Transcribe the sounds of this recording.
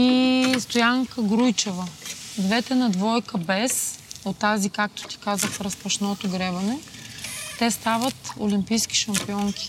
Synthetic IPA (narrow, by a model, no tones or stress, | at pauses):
ist̪ojaŋkəɡɾujt͡ʃɛvəd̪vɛt̪ɛnɐd̪vɔjkəbɛsot̪ːazikak̚t̪o̥t̪i̥kazəxɾɐspɐʃnɔt̪oɡɾɛbɐnɛ | t̪ɛst̪avət̪o̰limpijsk̟i̥ʃɐmpiɔŋkʲi̥